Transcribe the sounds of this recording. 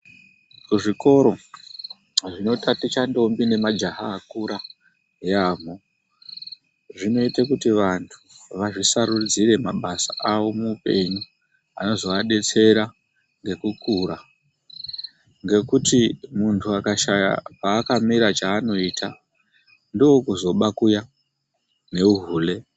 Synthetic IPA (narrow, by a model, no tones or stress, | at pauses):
kuʐiko̞ɾo̞ | ʐino̞tatit͡ʃando̞mbine̞mad͡ʒaɦaːkuɾa | ɦijaːm̤o | ʐino̞itakutiʋantʰu̥ʋaʐisaɾud͡zire̞maɓasaʔawo̞mupe̞ɲu | ano̞zo̞aɗe̞t͡se̞ɾa | ŋɡe̞kukuːɾa | ŋɡe̞kutimuntʰuakaʃaja̰paːkamiɾat͡ʃaːno̞itʰa | ndowokuzo̞ɓakuja | ne̞uɦuːle̞